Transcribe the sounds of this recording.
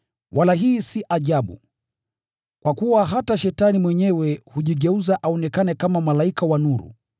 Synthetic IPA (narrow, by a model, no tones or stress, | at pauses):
wʔalaɦiːsiʔaʄaɓṵ | kwakuwaɦataʃɛtanimwɛɲɛwɛhuʄiɠɛuzaʔaɔnɛkanɛkamamalaikawanuɾṵ